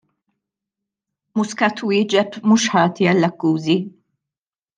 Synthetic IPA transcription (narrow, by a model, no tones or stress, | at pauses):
mʊskɐt̪wɪːd͡ʒɛbmuːʃħɐːt̪iɐlːɐkːuːzi